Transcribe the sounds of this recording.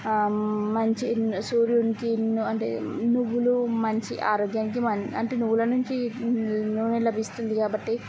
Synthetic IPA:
mɐɲt͡ʃisuːɾjunkinuɐɳʈḛnuʋːulumɐɲt͡ʃiʔaːɾɔːɡjaːnik̬imɐɲɐɳʈeːnuʋːulɐnuɲt͡ʃi | nuʋːnelɐbʱist̪und̪ikaːbɐʈːi

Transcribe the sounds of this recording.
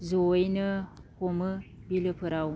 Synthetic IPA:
zojnɯhomɯbilɯpʰɯɾaw

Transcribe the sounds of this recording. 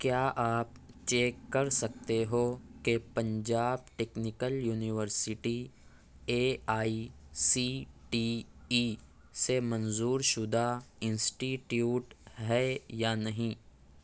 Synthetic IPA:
kjaːʔaːp̚ | t͡ʃeːkːɐɾsɐk̚t̪eɦoːkepɐ̃ɲd͡ʒaːb̚ʈeːknɪkəljuːnɪʋəɾsɪʈi | eːaːisiːʈiːʈi | semɐ̃nzuːɾʃʊd̪ʱaɪ̃nsʈiʈjuːʈɦɛjaːnɐɦĩː

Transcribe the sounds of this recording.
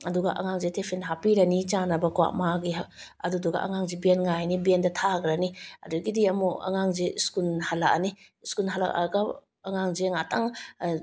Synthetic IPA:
ɐduɡɐʔɐ̰ŋaŋzetʰepʰenɦapiɾɐnit͡ʃanɐbɐkwa̰ʔmaɡi | ɐduduɡɐ̰ʔɐ̰ŋaŋzibienŋajnibiendɐtʰaɡɾɐniɐ̰duɡidiɐmuɐ̰ŋaŋzeskunhalaka̰ni | skunɦala̰ʔa̰ɡa | ɐŋaŋzeŋataŋ

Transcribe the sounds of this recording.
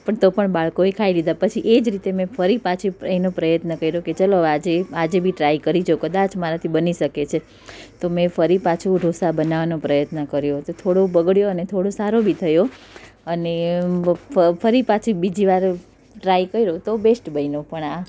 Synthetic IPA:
pəɳt̪opəɳbaɭkoekʰailid̪apət͡ʃʰiʔed͡ʒɾit̪emẽfʰəɾipat͡ʃʰieinopɾəjət̪nəkəiɾoket͡ʃaload͡ʒead͡ʒebʱiʈɾaikəɾid͡ʒokəd̪at͡ʃmaɾat̪ʰibəniʃəket͡ʃʰe | t̪omẽfʰəɾipat͡ʃʰũɾʱosabənaʋanopɾəjət̪nəkəɾjot̪ot̪ʰoɽobəɡɭjoənet̪ʰoɽosaɾobʱit̪ʰəjo | əne | fʰəɾipat͡ʃʰibid͡ʒiʋaɾ | ʈɾaikəiɾot̪obesʈbəinopəɳa

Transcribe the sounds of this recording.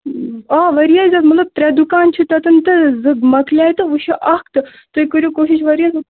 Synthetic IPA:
aːʋɐɾijaːzʲaːt̪mɐt̪lɐb̚t̪ɾʲɛd̪ukaːnt͡ʃʰut̪ɐt̪ɨnt̪ɨzɨɡmɐkʰlʲaːjt̪ɨʋuʃʰiʔɐk̚t̪ɨ | t̪ojikəɾʲjoːkoːʃiʃʋɐɾʲjaːn

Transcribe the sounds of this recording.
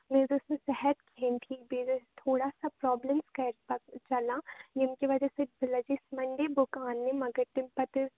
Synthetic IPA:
mẽd̪osẽsɛɦɛt̪kʰeːnʈʰiːkbed͡ʒost̪ʰoːɽasapɾɔːbləmskɐɾpɐt͡ʃɐlajɪmkeʋɐd͡ʒɛsebɪlad͡ʒismɐɳɖebʊkaːnːemɐɡəɾt̪ɪ̃mpɐt̪

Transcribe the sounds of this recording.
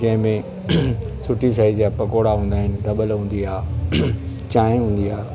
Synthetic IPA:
d͡ʑɐ̃ɦɪ̃mẽ | sʊʈʰis̬aid͡ʑapɐkoːɽaɦũːn̆d̪aːɦɪnɪ̆ɖɐɓəlɦũːn̆d̪iaː | t͡ɕãːɪ̃ɦũːn̆d̪iaː

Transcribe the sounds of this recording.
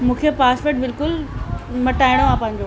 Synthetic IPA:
mũːkʰepaːspeʈ̚bɪlkʊlmɐ̃ʈaːiɽ̃oãːpɐ̃ɦɪ̃ɲ̆d͡ʑo

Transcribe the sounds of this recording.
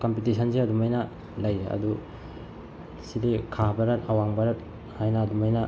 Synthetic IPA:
kɐmpitisʰɐnsiɐdumɐjnɐ | lɐjɾeɐ̰du | sidikʰabɐɾɐtɐwaŋbɐɾɐt̚ | hajnɐːdumajnɐ

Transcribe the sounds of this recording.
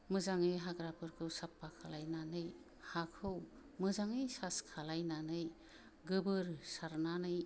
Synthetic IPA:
mɯzaŋɯjɦaɡɾapʰɯɾkʰɯwsapːakʰalajnanɯj | hakʰɯw | mɯzaŋɯjsaskʰalajnanɯj | ɡɯbɯɾsaɾnanɯj

